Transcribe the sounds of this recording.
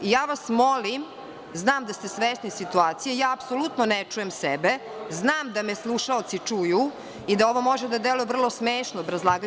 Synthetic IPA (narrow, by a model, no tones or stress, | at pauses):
ijaːʋasmolim | znaːmd̪ast̪esʋeːst̪nisit̪uaːt̪sijejaːpsolˠut̪nonet͡ʂujemsɛbeznaːmd̪ameslˠuʃaot̪sit͡ʂuju | id̪ao̞ʋo̞mo̞ʒed̪ad̪elujevr̩lˠo̞smeːʃnobɾazlˠaːɡ